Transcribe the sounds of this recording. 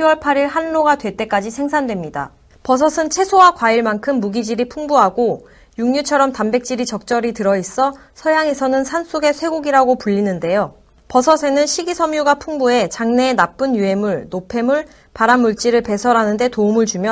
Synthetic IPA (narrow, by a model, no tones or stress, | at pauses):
iwʌɭpʰaɾiɭɦanːoɡadwe̞t͈e̞k͈ad͡ʑisʰe̞ŋsʰandwe̞mɲida̰ | pʌsʰʌsʰɯnt͡ɕʰe̞sʰowakwaiɭmankʰɯmːuɡid͡ʑiɾipʰuŋbuɦaɡo | juŋɲut͡ɕʰʌɾʌmtambe̞k̚t͡ɕ͈iɾit͡ɕʌk̚t͡ɕ͈ʌɾitɯɾʌis͈ʌ | sʰʌjaŋe̞sʰʌnɯnsʰans͈ʰuɡe̞sʰwe̞ɡoɡiɾaɡopuʎːinɯnde̞jo | pʌsʰʌsʰe̞nɯnɕʰiɡisʰʌmjuɡapʰuŋbue̞t͡ɕaŋne̞ːnap͈ɯnjuɦe̞muɭnopʰe̞muɭ | paɾamːuɭt͡ɕ͈iɾɯɭpe̞sʰʌɾanɯnde̞toumɯɭt͡ɕumjʌ